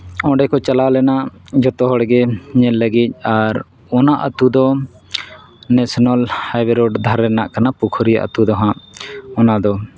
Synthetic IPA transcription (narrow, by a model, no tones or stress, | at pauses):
ɔ̃ɖɛkɔt͡ʃalalɛnaʔd͡ʒɔt̪ɔɦɔɽɡɛɲɛlːəɡic̚ˀaɾ | ɔnaʔət̪ud̪ɔ | nɛsɔnalhajbɛɾɔɖd̪ʱaɾːɛnaʔkanapukʰɾija̰ʔə̰t̪ud̪ɔɦãʔɔnad̪ɔ